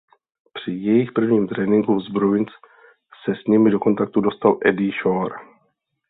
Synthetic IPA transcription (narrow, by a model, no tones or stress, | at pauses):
pr̝̥ɪjɛjɪxpr̩vɲiːmt̪ɾɛːnɪŋɡuzbɾoɪns | sɛsɲimɪdo̞ko̞nt̪ak̚t̪udo̞st̪alʔɛdiʃoɾ